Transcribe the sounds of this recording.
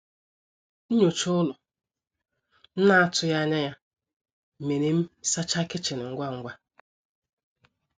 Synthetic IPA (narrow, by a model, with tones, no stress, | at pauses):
n̩˦ɲo˨t͡ʃʊ˦ʊ˦lʊ˨ | n̩˦na˦a˦tʊ˦ja˦ɲa˦ja˦˨ | me˨ne˦m̩˦sa˦t͡ʃa˦kɪ˦t͡ʃɪ˨nɪ˨ŋ̩˦ɡʷa˦ŋ̩˦ɡʷa˦